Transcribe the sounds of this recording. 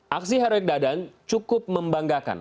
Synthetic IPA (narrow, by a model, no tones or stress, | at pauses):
ʔaks̬iɦaɾɛk̚dadant͡ʃukʊp̚məmbaŋɡaka̰n